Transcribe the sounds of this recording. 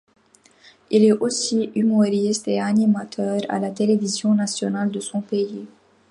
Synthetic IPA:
ilɛosiymɔʁist̪eanimat̪ʰœːʁa̰lat̪elevizjɔ̃nasjɔnald̪əsɔ̃pei

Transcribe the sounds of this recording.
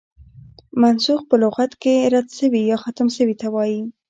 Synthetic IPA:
mansuxpəlʊɣat̪keɾad̪ʃəwijɑxat̪əmʃəwit̪awɑji

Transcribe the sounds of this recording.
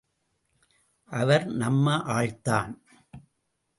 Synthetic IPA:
ʔɐʋɐɾnɐmːɐʔaːɻt̪aːn

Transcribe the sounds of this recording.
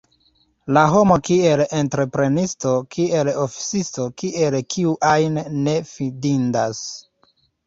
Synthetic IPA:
laɦo̞mo̞kie̞lentɾe̞pɾe̞nistokʰie̞lofi̥sisto̞kiʔe̞lkʰiuʔajnːe̞fidindas

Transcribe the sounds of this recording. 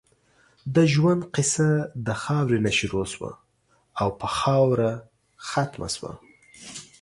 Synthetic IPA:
d̪əʒwand̪qɪsad̪əxɑwɾenaʃɾoswa̰ | awpəxɑwɾa | xat̪ma̰swa̰

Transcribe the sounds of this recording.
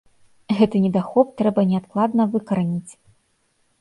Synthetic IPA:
ɣɛt̪ɨnʲɛd̪axɔp̚t̪ɾɛbɐnʲɛat̪̚klˠad̪nɐvɨkɐɾanʲit͡sʲ

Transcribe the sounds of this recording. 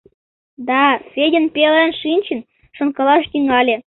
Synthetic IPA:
d̪ɑfʲedʲə̆npʲelənʃinʲt͡ɕə̆n | ʃɤ̆nkɤ̆lˠɑʃt̪yŋɑlʲe

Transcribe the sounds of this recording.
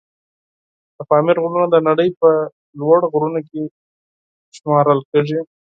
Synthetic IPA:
d̪̥əfɑmɪɾɣɾunad̪ənaɽəjpə | lwaɽɣɾunoke | ʃmɑɾəlkəʐi

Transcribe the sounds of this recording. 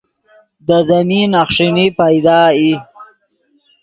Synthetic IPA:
d̪əzaminaxʂinipajd̪ɑːi

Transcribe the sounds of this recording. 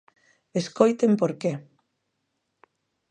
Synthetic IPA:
eskojt̪empoɾke

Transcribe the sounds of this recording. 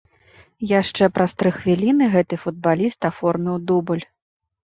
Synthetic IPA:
jaʂt͡ʂɛpɾɐst̪ɾɨxvʲilʲinɨɣɛt̪ɨfud̪̚balʲist̪afɔrmʲiwd̪ubɨlʲ

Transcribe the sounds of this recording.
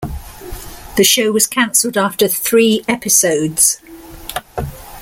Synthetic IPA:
ðəʃəʊwɒz̥kʰãnsəlˠdɑˑftəθɹiːɛpɪsəʊdz̥

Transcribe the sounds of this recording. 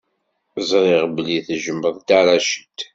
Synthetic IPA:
zˤɾˤɪʁbliθʒəmːəðˤt̪aɾˤaʃə̥t̪

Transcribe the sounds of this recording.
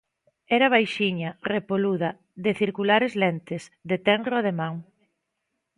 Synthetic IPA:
ɛɾɐβ̞ajʃiɲɐrepoluðɐ | ðeθiɾkulaɾezlent̪ɪsðet̪ɛnroað̞emãŋ

